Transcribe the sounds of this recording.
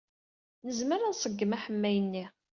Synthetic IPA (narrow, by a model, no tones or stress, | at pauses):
nəzməɾansˤəɡːəmæħəmːæjənːi